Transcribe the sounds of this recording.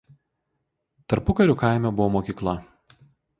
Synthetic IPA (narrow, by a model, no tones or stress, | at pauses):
t̪ɐɾpʊkɐɾʲʊːˑkaˑɪmʲɛbʊʋoːmoːkʲiːklˠɐ